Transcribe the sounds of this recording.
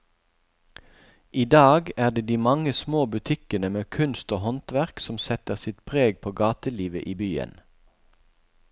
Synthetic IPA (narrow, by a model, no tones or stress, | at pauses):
ʔiːd̪ɑːɡæːʁd̪eːd̪iːmɑŋəsmoːbʉt̪ʰɪkənəmeːkʰʉnst̪oːhɔnt̪ʋæʁksɔmsɛt̪əʁsɪt̪pʰʁeːɡpʰoːɡɑːt̪əliːʋəʔiːbyːə̰n